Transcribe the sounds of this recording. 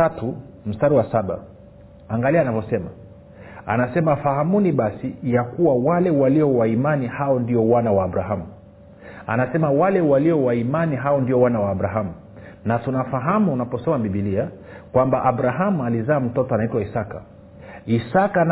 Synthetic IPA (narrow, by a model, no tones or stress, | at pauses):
atum̩staɾiwasaɓa̰ | aŋɡaliaːnavɔsɛma | a̰nasɛmafahamuniɓasijakuwawalɛwaliɔwaimanihaɔndiɔwanawaːbuɾaɦamu | a̰nasɛmawalɛwaliɔwaimaniɦaɔndiɔwanawaːɓɾaɦamu | natunafaɦamuːnapɔsɔmaɓiɓilia | kwambaʔaɓɾaɦamualizaːm̩tɔtɔanaitwaisaka̰ | isakan